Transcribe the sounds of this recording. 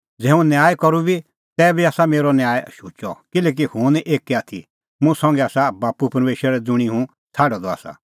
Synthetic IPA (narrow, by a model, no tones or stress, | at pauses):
d͡zɛːũnjaːjkɔɾubi | t̪ɛːbiaːsameːɾɔnjaːjʃuːt͡ʃɔkɪlɛːk̬ihʊ̃nʔeːkiaːt̪ʰi | mũsɔ̃ŋɡɛaːsabaːpupɐɾmeːʃɾɾɛd͡zʊɽ̃iɦũ | t͡sʰaːɖɔd̪ɔa̰ːsa̰